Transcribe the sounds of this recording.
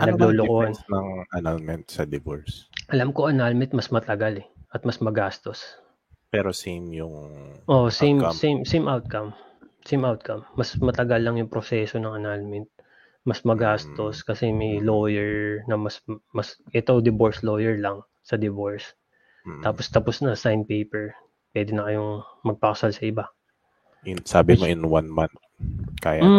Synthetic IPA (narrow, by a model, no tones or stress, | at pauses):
nɐɡlolokonnɐŋʔɐnalmɛnt̪sɐd̪ɪvoɹsʔɐlamkoʔɐnalmɛnt̪̚mɐsmɐt̪ɐɡalɛʔɐt̪̚mɐsmɐɡaːst̪o̞s | pɛɾosijmjʊŋʔoʔsejmsejmsejmʔawt̪̚kɐm | sejmʔawt̪̚kɐmːɐsmɐt̪ɐɡɐlːɐŋjʊŋpɾosɛso̞nɐŋɐnalmɛnt̪̚ | mɐsmɐɡaːst̪o̞skɐsɛmɐjlo̞ːjɛɹnɐmɐsmɐsʔɛt̪od̪ɪboɹslojɛɹlɐŋ | sɐd̪ɪvoɹs | t̪aːpost̪ɐposnɐsajnpejpɛɹ | pwɛːd̪ɪnɐkɐjoŋmɐɡ̚pɐkɐsalsɐʔɪba | ɪsaːbɪmoʔɪnwanmant̪ | kaːja